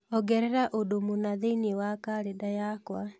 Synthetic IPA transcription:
ɔɡɛɾɛɾaʔodomonaðeinewakaɾedajakwa

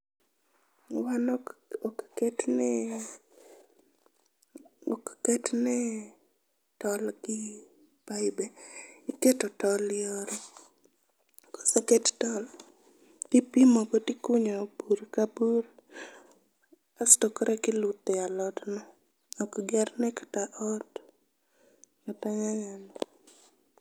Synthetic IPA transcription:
wanɔɔkkɛtnɛ | ɔ̰kkɛtnɛ | tɔlkɪ | paɪbɛiketɔtɔlɪoɾe | kɔ̥sɔkɛttɔl | tipimɔbɔtikʊɲɔbuɾkabuɾ | astɔkɾɛkɪlʊt̪ːɛalɔtnɔ | ɔkɡɛrnɛkḁtaʔɔt | ataɲaɲanɔ

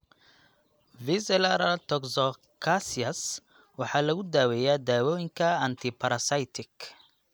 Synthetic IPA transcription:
vɪsɛlɐɾɐlt̪ʰɔksɔ | kʰasiɐs | wɑħɑːlɐɣʊd̪aːwɛːjaːd̪aːwɔːjɪŋkʰɐɐnt̪ʰɪpʰɐɾɐsɐjt̪ʰɪk

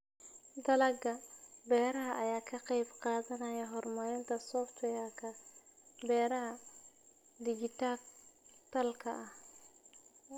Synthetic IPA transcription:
d̪ɐlɐɡɐbɛːɾɐɦɐʔɐjaːkʰɐqɑjbqɑːðɐnɐjɐɦɔrmɐlɪnt̪ʰɐsɔft̪ʰwɛjakʰɐ | bɛːɾɐɦɐ | d̪ɪɡɪt̪ʰaːkt̪ʰɐlkʰɐ̰ʔɐh

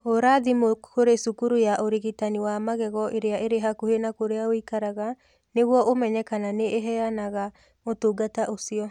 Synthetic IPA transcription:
oɾaðimokoɾesukuɾujaʔoɾiɣitaniwamaɣɛɣɔʔeɾeaʔeɾeɦakuhenakoɾeaoikaɾaɣa | neɣwɔʔomɛɲɛkananeʔeɦɛanaɣa | otoɡataʔosiɔ

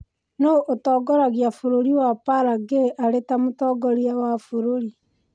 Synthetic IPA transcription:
noʔotɔːɡɔɾaɣjafoɾoɾiwapaɾaɡeʔaɾetamotɔːɡɔɾiawafoɾoɾi

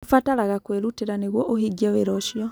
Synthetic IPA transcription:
fataɾaɣakweɾuteɾaneɣwɔʔohiɡiɛweɾɔʃjɔ

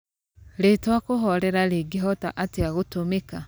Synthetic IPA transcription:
letwakoɦɔɾɛɾaleɡiɦɔtaʔateaɣotomeka

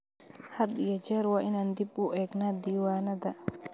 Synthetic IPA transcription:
had̪ijad͡ʒɛɾwaʔinand̪ibuʔɛknad̪iwanad̪a

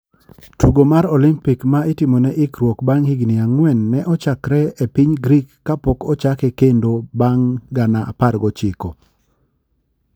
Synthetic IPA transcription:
tuɡomaɾɔlimpikmaɪtɪmɔnɛʔɪkɾwokbaŋhiɡnɪaŋwɛnːɛʔɔt͡ʃakɾɛepiɲɡɾikːapɔkɔt͡ʃakɛkendobaŋɡanaʔa̰parɡɔt͡ʃɪko

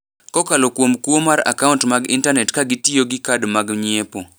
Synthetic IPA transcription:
kɔkalokwomkwomaɾa̰kauntmaɡḭntanɛtkaɡitijoɡikadmaɡɲepo

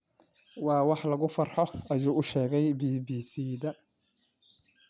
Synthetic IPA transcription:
wɑːwɑħlɐɣʊfɑrħɔʔɐjuːʊʃɛːɣɛjbiːbiːsiːðɐ

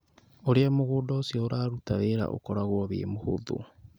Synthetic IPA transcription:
oɾeamoɣoːdɔosiɔoɾaːɾutaweɾa̰ʔo̰kɔɾaɣwɔβḛːmoho̰ðo̰

